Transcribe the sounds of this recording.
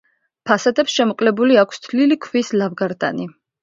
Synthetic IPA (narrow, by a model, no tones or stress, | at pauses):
pʰasad̪ɛpsʃɛmɔqʼlɛbuliakʷʰst̪ʰlilikʰwislavɡaɾd̪a̰ni